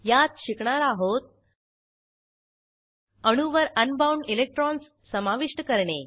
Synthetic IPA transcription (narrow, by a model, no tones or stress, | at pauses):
jat̪ɕikɳaɾaɦot̪̚ | əɽ̃uʋəɾənbawɳɖilek̚ʈɾɔnsːəmaʋiʂʈəkəɾɳe